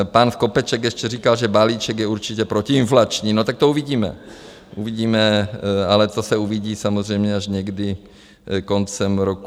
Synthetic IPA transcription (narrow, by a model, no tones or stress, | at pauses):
panskopɛt͡ʃɛkjɛʃcɛriːkalʒɛbaliːt͡ʃɛɡjɛuɾt͡ʃɪcɛpɾocɪɪnflat͡ʃɲiːnot̪ak̚t̪ouviɟiːmɛ̰ | ʔuviɟiːmɛalɛt̪osɛuviɟiːsamozr̝ɛjmɲɛaʒɲɛɡdɪ | kont͡sɛmɾoku